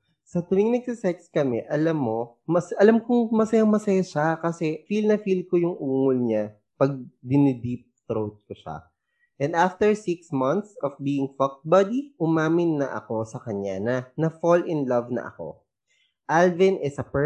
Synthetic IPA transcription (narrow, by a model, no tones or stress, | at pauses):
sɐt̪ɾɪŋnɐɡ̚sɪsɛkskɐmɛʔɐlamːo̞ | mɐsʔɐlamkʊŋmɐsɐjamɐsɐjaʃakɐsɛfilnɐfilkojʊŋʔuːŋolɲa | pɐɡ̚d̪ɪnɪd̪ip̚t̪ɾowt̪̚koʃa̰ | ʔɛ̃nd̪aft̪ɛɹsɪksmɐ̃nt̪sɔfbiːɪŋfɐk̪̚bɐd̪iʔʊmaːmɪnːɐʔɐ̰ko̞sɐkɐɲanɐnɐfolɪnlɐvnɐ̰ʔɐ̰ko̞̰ | ʔalvɪnʔɪsɐpɛ